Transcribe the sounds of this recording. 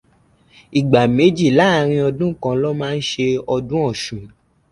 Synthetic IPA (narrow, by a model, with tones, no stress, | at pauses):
i˨ɡ͡ba˨me˨˦d͡ʒi˦˨la˦˨˧ɾ̃ĩ˧ɔ˧dũ˦kã˧lɔ˦mãː˦˧n̩˦ʃe˧ɔ˧dũ˦ɔ˦˨ʃũ˨